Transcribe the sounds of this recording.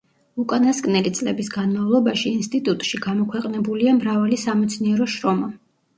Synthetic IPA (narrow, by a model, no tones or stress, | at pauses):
ukʼanaskʼnɛlit̪sʼlɛbisɡanmavlˠɔbaʃiːnst̪ʼit̪ʼut̪ʼʃiɡamɔkʰwɛqʼnɛbuliamɾavalisamɛt̪sʰniɛɾɔʃɾɔma